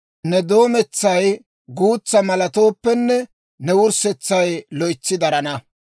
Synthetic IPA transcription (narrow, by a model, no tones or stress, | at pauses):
nɛd̪o̞ːmɛt͡sːɐj | ɡuːt͡sːɐmɐlɐt̪o̞ːpːɛnːɛ | nɛwʊɾsɛt͡sːɐjlɔjt͡sːɪd̪ɐɾɐnɐ